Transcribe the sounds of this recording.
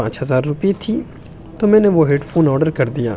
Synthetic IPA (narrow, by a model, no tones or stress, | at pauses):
ãːt͡ʃɦɐzaːɾːʊpiet̪ʰiː | t̪omɛ̃ːneʋoɦeːɖpʰoːnɔːɾɖəɾkɐɾd̪ija̰ː